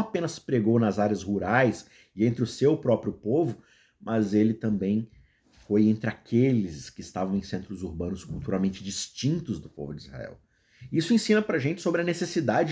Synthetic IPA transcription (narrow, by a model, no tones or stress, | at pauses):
apẽnɐspɾeɡownɐzaɾʲɐzhuɾajs | ɪẽnt̪ɾɪʊsewpɾɔpɾjʊpovʊ | mɐzelɪt̪ɐ̃mbẽj̃ | fojẽnt̪ɾɪakʰelɪskɪɪst̪avɐ̃w̃ẽj̃sẽnt̪ɾʊzuɾbɐ̃nʊskuwt̪uɾawmẽnt͡ʃɪd͡ʒist͡ʃĩnt̪ʊzd̪ʊpo̰vʊd͡ʒizha̰ɛ̰w | isʊẽsĩnɐpɾɐʒẽnt͡ʃɪ̥sobɾɪɐnesesid̪ad͡ʒɪ